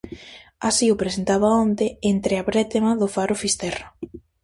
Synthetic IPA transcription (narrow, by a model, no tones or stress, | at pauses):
asiʊpɾesent̪aβaont̪eent̪ɾeaβɾɛt̪emɐðʊfaɾʊfist̪ɛrʊ